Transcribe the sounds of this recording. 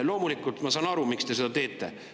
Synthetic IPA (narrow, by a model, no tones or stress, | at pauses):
lo̞ːmulikːˑult̪mɑsɑːnɑɾumikst̪e̞se̞d̪̥ɑt̪e̞ːt̪ˑːe̞̰